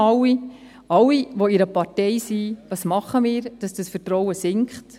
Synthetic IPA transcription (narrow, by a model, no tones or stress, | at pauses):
ɑwi | ɑwːiʋoiɾəpɑɾtɛɪsiʋɑːsmɑχəmiːɾd̥ɑsd̥ɑsfətɾɔwəsɪŋkχt